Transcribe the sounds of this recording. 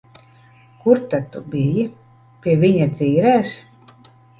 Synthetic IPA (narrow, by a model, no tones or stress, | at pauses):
kuɾt̪ad̪̚t̪ubiji | pʲiɛvʲiɲad̪ziːɾɛːs